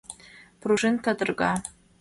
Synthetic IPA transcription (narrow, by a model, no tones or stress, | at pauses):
b̥ʰruʐɨntʰadɨrɡa